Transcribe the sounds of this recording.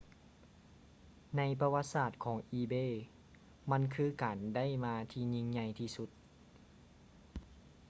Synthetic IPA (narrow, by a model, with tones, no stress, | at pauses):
na˧˥jpa˧wa˧t̪̚saː˧˩t̪̚kʰɔː˩˦ŋʔiː˧beː˧˥˨ | ma˧˥˨nkʰɯː˧kaː˨˩nda˥˩˨jmaː˧t̪ʰiː˧ɲi˧ŋɲa˧˩jt̪ʰiː˧su˧˦t̪̚